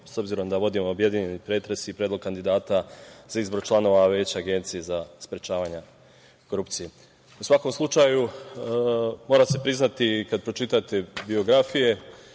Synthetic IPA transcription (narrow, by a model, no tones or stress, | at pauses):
so̞bziɾo̞md̪aʋo̞d̪imoːbje̞d̪iɲe̞nipɾe̞t̪ɾe̞siːpɾed̪lo̞ɡ̚kand̪id̪aːt̪azaizbo̞ɾt͡ʃlˠano̞ʋaʋe̞ːt͡ɕaaɡe̞nt̪sijezaspɾet͡ʃaːʋaɲe | ko̞ɾupt̪sije | usʋako̞mslˠut͡ʃaːju | mo̞ːɾase̞pɾiznat̪ikad̪̚pɾot͡ʃit̪at̪e̞bio̞ɡɾafije̞